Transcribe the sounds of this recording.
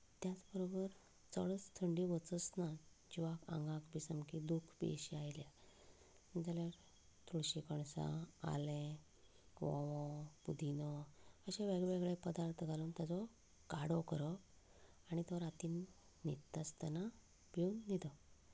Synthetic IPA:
t̪jat͡sbəɾobəɾ | t͡səɭət͡st̪ʰəɳɖiʋət͡sət͡sna | d͡ʑiʋakã̰ŋɡãkbisəmkid̪ukʰpḛɕiajlja | d͡zaljaɾ | t̪uɽɕikəɳsã̰a̰lẽ | ʋɔ̰̃ʋɔ̃pud̪ʱinɔəɕeʋeɡɭɭʋeɡɭepəd̪aɾt̪ʰɡaluːnt̪jat͡sɔ | kaɽɔkəɾɔ | aɽ̃it̪ɔɾat̪iːnː | it̪ːast̪ana | beund̪it̪ɔ

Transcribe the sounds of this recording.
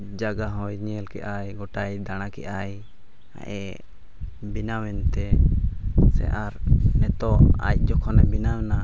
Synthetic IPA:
d͡ʒaɡaɦɔjɲɛɛlkɛʔajɡɔʈajd̪añakɛʔaj | a̰ʔɛ | binawɛnt̪ɛ | sɛ̰ʔaɾnɛt̪ɔʔa̰c̚ˀd͡ʒɔkʰɔnɛbinana

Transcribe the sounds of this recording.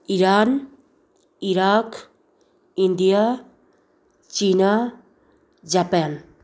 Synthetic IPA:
iɾan | iɾak | ind̪ija | t͡ʃina | d͡ʒapan

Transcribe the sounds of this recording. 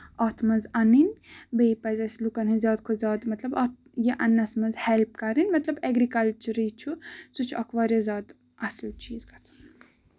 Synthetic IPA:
ɐt̪ʰmɐnzɐninbeipɐzʲɐslukɐnɦizʲjaːd̪̚kʰozʲaːd̪mɐt̪lɐbɐt̪ | jeʔɐnɐsmɐnzhelp̚kɐɾinʲmɐt̪lɐbeɡɾikɐlt͡ʃuɾit͡ʃʰusut͡ʃʰuɐkʰʋaːɾʲjɐzʲaːd̪ | ɐsut͡ʃiːzkɐt͡sʰɐ̥n

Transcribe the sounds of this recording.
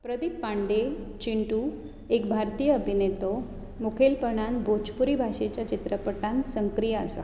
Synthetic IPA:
pɾəd̪ipːaɳɖet͡ɕiɳʈu | ekbʱaɾt̪ijəːbʱinet̪o | mukʰelpəɳ̃anbʱot͡ɕpuɾibʱaʂet͡ɕjat͡ɕit̪ɾəpəʈãnsəŋkɾijəə̰sa̰

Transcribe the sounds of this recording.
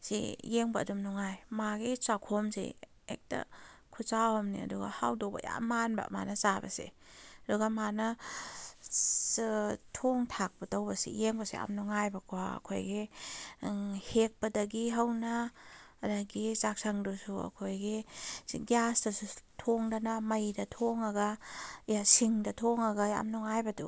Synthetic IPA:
sḭjeŋbɐ̰ːdumnɔŋajmaɡit͡ʃakʰomsḭ | ḛk̚tɐ̰kʰut͡ʃawhɐmnḭɐ̰duɡɐ̰hawdobɐ̰ja̰manbɐ̰ma̰nɐt͡ʃabɐ̰sḭɐduɡɐmanɐ | stʰoŋtʰak̚bɐtawbɐsḭjeŋbɐsḭa̰mnɔŋajbɐkʰwaɐ̰kʰo̰jɡi | hek̚pɐdɐɡiɦɐwnaː | daɡit͡ʃak̚saŋdusuɐ̰kʰojɡi | ɡijasdɐsutʰoŋdanamɐjdɐtʰoŋaɡajasiŋdɐtʰoŋaɡaja̰mnɔŋajbɐtu

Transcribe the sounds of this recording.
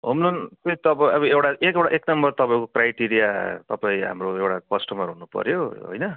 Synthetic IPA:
ɦomlunt̪ʌt̪ʌbʌʌbʌewʈaʔekewɽa̰ʔeknʌmbʌrt̪ʌpaĩkokrajʈiɾijat̪ʌpaĩɦa̰mroewʈakʌsʈʌmʌɾunupʌ̰ɾjoɦo̰jnʌ

